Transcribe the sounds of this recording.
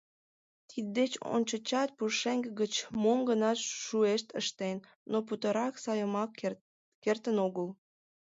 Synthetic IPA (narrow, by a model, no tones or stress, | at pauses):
t̪ʰid̪̚d̪et͡ɕo̰nʲt͡ɕət͡ɕɑt̪̚puʃeŋɡəɡət͡ɕmomɡənɑʃueʃt̪əʃt̪en | nop̬ut̪əɾɑksɑjəmɑk | kert̪ənoɣəl